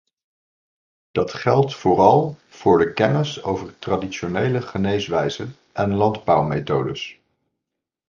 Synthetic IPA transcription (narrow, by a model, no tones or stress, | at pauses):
d̥ɑtχɛlˠtfʊːrɑlˠv̥ʊːɹdəkɛnəso̰wvəɹtradiʃonejləχənejsʋɛjzən | ʔɛnlɑndbʌwmejtowdəs